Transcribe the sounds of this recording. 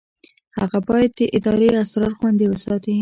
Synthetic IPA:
haɣabɑjad̪̚ːəʔɪd̪ɑɾeasɾɑɾxwand̪ewəsɑt̪i

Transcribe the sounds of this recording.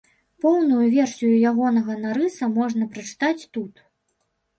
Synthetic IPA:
pɔwnujuvʲɛrsʲijujaɣɔnɐɣɐnaɾɨsɐmɔʐnɐpɾɐt͡ʂɨ̥t̪at͡sʲt̪ut̪

